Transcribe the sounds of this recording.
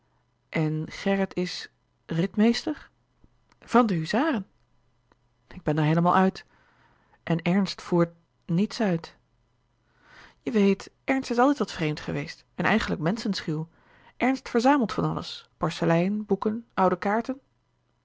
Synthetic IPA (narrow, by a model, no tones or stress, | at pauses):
ʔɛnχɛrətʰɪs | rɪtmejstəɹ | v̥ɑndəɦyzaːrən | ɪɡ̚bɛnəɹɦejləmaːlˠœɥt | ʔɛnɛɹnstfuːɹt̚ | nitsœɥt | jəʋejt | ɛɹnstɪsɑlˠtɛjtʋɑtfrejmtχəʋejst | ɛnɛ̰jχənləkmɛnsənsχiw | ʔɛɹnstfəɹzaːməlˠtfɑnɑ̰lə̰spɔɹsəlɛjənbukənʔʌwdəkaːɹtən